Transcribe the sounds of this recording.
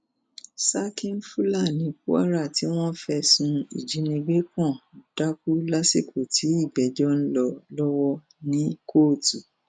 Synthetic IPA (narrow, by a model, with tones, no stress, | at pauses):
sa˦kĩ˦n˦fu˦la˦˨nĩ˨˦ku˦a̰˦ɾa˦˨ti˨˦w̃ɔ̃˦fɛ˧sũ˧ḭ˨d͡ʒi˨˦nĩ˧ɡe˦kɔ̃˦˨d̥a˦k̚u˦la˦si˦˨kʰu˨tʰi˨˦i˦˨ɡ͡bɛ˨˦d͡ʒɔ˦n̩˦lɔ˧lɔ˦wɔ˦ | nĩ˦kʰo˦˨tu˨